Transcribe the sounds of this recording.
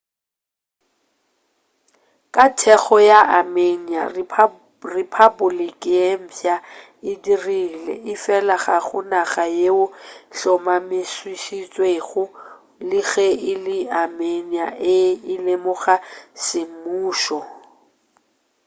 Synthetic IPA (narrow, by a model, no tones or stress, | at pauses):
kʼatʰɛɣɔjaʔamenia̰ | ripʰabʊlikʼɪjem̩pʰja | ɪdirilɛ̰ɪfɛlaχaχʊnaχajeʊɬɔmamɪswiʃit͡sʼweɣʊ | lɪɣɛɪlɪameniaʔɪɪlemʊɣasɪmuːʃɔ